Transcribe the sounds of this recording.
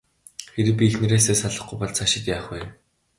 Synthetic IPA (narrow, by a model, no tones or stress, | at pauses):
xeɾɘ̆p̬ʲiːxnɘ̆ɾeːseːsaɮə̆χɡujpɔɮt͡sʰaʃɪ̆t̪jaːχweː